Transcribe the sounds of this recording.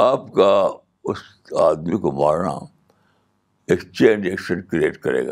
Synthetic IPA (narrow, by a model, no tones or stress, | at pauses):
aːpka | ʊs | aːd̪mikoma̰ːɾna̰ | ekst͡ʃẽːnd͡ʒeːkʃə̃nkɾieːʈkɐɾḛːɡa